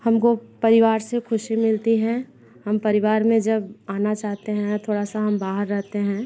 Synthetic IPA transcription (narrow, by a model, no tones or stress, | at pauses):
hɐmkopɐɾɪʋaːɾsexʊʃimɪlt̪iɦɛ̃ | hɐmpɐɾɪʋaːɾmẽd͡ʒɐbaːnat͡ʃaːɦt̪eɦɛ̃t̪ʰoːɽasaɦɐmbaːɦəɾːɛɦt̪eɦɛ̃ː